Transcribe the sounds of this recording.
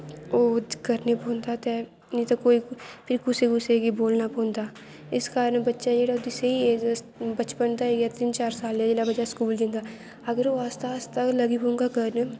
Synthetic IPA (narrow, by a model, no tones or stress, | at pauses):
oːkəɾnepõːnd̪aːt̪ɛ | nĩt̪akoːipʰɪɾkʊseɡʊseɡiboːlnapõːnd̪aː | ɪskaːɾənbətːʃad͡ʒeːɽaːod̪ɪseieːs | bət͡ʃpənt̪aeːɡjat̪ɪnt͡ʃaːɾsaːled͡ʒeːlabəd͡ʒaskuːld̪ɪ̃ːnd̪aː | əɡəɾoaːst̪ast̪aləɡibõːŋɡaːkəɾn